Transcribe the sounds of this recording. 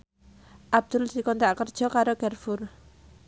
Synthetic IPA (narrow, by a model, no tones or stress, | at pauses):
ʔab̚d̪̥ʊld̪̥ikɔnt̪aʔkərd̥ʒ̥ɔ̤kaɾoɡɛrfʊr